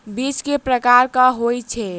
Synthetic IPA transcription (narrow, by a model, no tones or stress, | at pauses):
bit͡ʃkepɾəkaɾkəɦojt͡ʃʰɛ